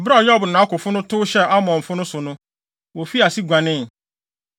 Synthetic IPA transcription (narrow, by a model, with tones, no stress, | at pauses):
ɔ˨bɾa˦ɔ˨jɔ˦bʊ˨nʊ̃˨a˦kʊ˨fʊ˦nʊ̃˦tʰʊ˦ɕɛ˦a˦mɔ̃˨m̩˨fʊ˦nʊ̃˦sʊ˨nʊ̃˦ | wɔ˨fi˦a˨si˦ɡʷã˨nɪ̃˦˨